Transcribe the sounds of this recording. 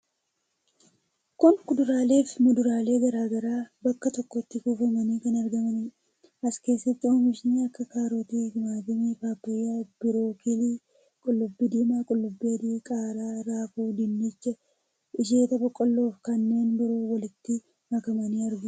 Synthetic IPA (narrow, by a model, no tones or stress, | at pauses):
kʊnkʊd̪ʊɾaːle̞ːfmʊd̪ʊɾaːle̞ːɡɐɾaːɡɐɾaːbɐkːɐt̪ɔkːɔɪt̪ːɪkuːfɐmɐniːkɐnɐɾɡɐmɐnɪ | ɐske̞ːsːɐt̪ːɪoːmɪʃniɐkːɐkaːɾoːt̪iːɡɪmaːt̪ɪmefaːpːɐjːab̥ɪɾo̞ːkɪli | kʼʊlːʊbːid̪iːmaːkʼʊlːʊbːiɐd̪iːkʼaːɾaːɾaːfuːd̪ɪnːɪt͡ʃːɛ | ɪʃ̬eːt̪ɐbɔkʼːɔlːo̞ːfkɐnːe̞ːnbɪɾo̞ːwɐlɪt̪ːɪ | mɐkɐmɐniːɐɾɡʊ